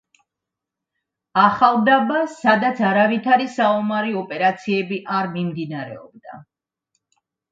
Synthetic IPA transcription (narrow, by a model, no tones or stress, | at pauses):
aχalˠd̪abasad̪at̪sʰaɾavit̪ʰaɾisaɔmaɾiɔpʼɛɾat̪sʰiɛbiʔaɾmimd̪inaɾɛ̰ɔ̰b̚d̪a̰